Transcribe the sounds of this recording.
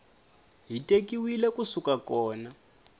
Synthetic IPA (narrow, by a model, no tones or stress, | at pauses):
ɦitʼekiwilɛkusukakɔːna